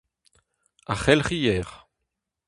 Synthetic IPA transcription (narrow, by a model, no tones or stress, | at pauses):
aχɛlχijɛːʁ